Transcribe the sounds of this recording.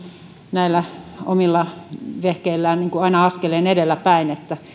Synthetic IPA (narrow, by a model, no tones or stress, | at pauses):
næilːæo̰milːɑʋehkeilːæːnniːŋkuɑinɑɑskeleːnedelːæpæinet̪ːæ